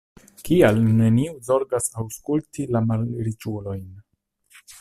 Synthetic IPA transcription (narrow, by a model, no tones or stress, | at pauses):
kialne̞niuzo̞ɾɡasawskultilamalɾit͡ʃulo̞jn